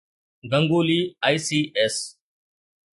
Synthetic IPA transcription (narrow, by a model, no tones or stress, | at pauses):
ɡɐ̃ŋɡoːliːaːisiːes